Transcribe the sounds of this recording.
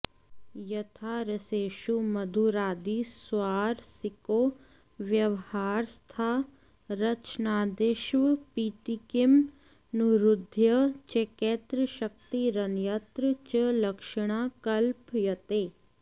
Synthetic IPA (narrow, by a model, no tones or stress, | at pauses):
jɐt̪ʰaːɾəseːʃumɐd̪ʱuɾaːd̪iswaːɾsɪkoː | ʋjɐʋhaːɾst̪ʰaː | ɾɐt͡ʃnaːd̪ɪʃʋpiːʈikɪm | nuɾʊd̪ʱjət͡ʃeket̪ɾəʃək̚t̪iɾɐnjət̪ɾt͡ʃəlɐkʃəɽ̃aːkɐlpjɐt̪eː